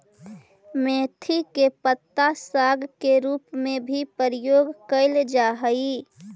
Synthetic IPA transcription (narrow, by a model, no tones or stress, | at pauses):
meːt̪ʰikepət̪ːasaɡkeɾuːpmẽbʱipəɾijoːɡkəɪld͡ʒaɦəi